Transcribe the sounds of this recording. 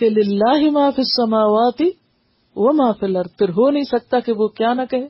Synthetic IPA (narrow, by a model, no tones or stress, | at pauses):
kelɪlːaːɦɪmaːfisːɐmaːwaːt̪ɪ | ʋɐmaːfɪlɐɾpʰɪɾɦoːnɐɦĩsɐk̚t̪akeʋoːkjaːnɐkɐɦeː